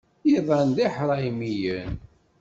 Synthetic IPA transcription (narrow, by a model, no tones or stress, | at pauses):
jiðˤɑnd̪iħɾˤɑimijən